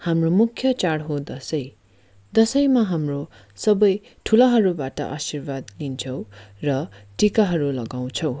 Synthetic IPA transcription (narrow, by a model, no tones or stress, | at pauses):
hamromukʰjʌt͡saɽɦod̪ʌsʌj | d̪ʌsʌjmaɦamro | sʌbʌj | ʈʰulaɦʌɾubaʈʌ̰ʔasirbad̪lint͡sʰʌw̃rʌʈikaɦʌɾulʌɡaw̃t͡sʰʌ̃w̃